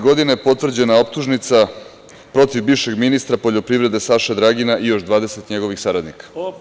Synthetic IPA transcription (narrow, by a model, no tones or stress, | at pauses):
ɡo̞d̪ineepo̞t̪ʋr̩d͡ʑe̞nao̞p̚t̪uʒnit̪sa | pɾo̞t̪ivbiʋʃe̞ɡminist̪ɾapo̞ʎo̞pɾiʋɾe̞d̪e̞saʃed̪ɾaɡinaʔijo̞ʃd̪ʋaːd̪e̞se̞t̪ɲe̞ɡo̞ʋixsaɾad̪nikḁ